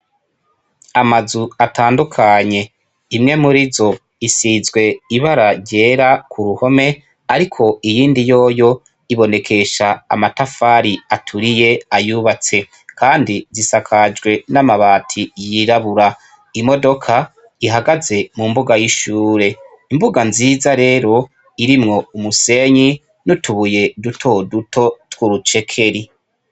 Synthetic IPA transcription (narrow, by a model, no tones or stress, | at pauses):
amazuataːndukʰaɲe̞ | imŋe̞muɾizo̞ | isizɡwe̞iβaɾaɾɟe̞ːɾakʰuɾuho̞me̞ | aɾikʰo̞ijiːndijo̞ːjo̞ | iβo̞ne̞kʰe̞ʃa̰ːmatafaːɾiatʰuɾije̞ajuβat͡se̞ | kʰaːndizisakʰad͡ʒɡwe̞namaβaːtʰijiɾaβuɾa | imo̞do̞kʰa | iɦaɡaze̞mumbuɡajiʃuːɾe̞ | imbuɡanziːzaɾe̞ːɾo̞ | iɾimŋo̞umuse̞ɲi | nutuβuje̞dutʰo̞duto̞twuɾut͡ʃe̞kʰe̞ɾi